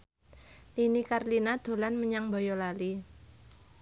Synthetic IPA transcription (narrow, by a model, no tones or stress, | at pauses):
linikarlinad̪̥o̤lanməɲaŋbɔjɔlali